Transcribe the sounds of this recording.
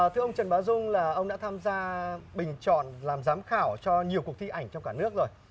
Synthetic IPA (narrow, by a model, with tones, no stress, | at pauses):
t̪ʰɨ˧əʔə˧wŋ͡mt͡ɕə˨˩nɓaː˨˦wzʊ˧ŋ͡mlaː˨˩ʔə˧wŋ͡mɗa̰ː˧˥t̪ʰaː˧mzaː˧ɓï˨˩ŋ̟t͡ɕɔ̰˧˨nlaː˨˩mzaː˨˦mxaː˧˩wt͡ɕɔ˧ɲi˨˩əwku˨˩ək̚t̪i˧ʔa˧˩jŋ̟t͡ɕɔ˧ŋ͡mkaː˧˩nɨ˦˥ək̚zo˨˩j